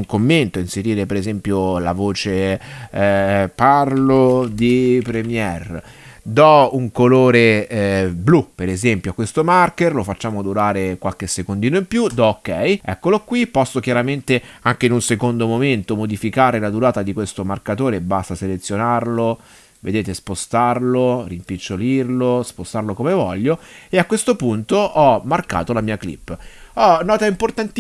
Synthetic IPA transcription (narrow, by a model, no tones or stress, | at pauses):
uŋkomːent̪oinseɾiːɾepeɾezɛmpjolavoːt͡ʃe | parlod̪ipɾemjɛr | d̪ɔuŋkoloːɾe | blupːeɾezɛmpjoakwest̪omarkerlofat͡ʃːaːmod̪uɾaːɾekwalkesːekond̪iːnoimpjud̪ɔokːɛjɛ̰kːolokwipːɔsːok̟jaɾament̪eaŋk̟einunsekond̪omoment̪omod̪ifikaːɾelad̪uɾaːt̪ad̪ikwest̪omarkat̪oːɾebast̪aselet̪sːjonarlo | ved̪eːt̪espost̪arlorimpit͡ʃːolirlospost̪arlokomevɔʎːoeakːwest̪opunt̪oʔɔmːarka̰ːt̪olamiːaklḭpːɔnɔːt̪aimport̪ant̪